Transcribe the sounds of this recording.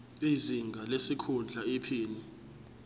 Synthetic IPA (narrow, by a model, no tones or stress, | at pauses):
iziŋɡʱalesikʰund͡ɮʱaipʰiːni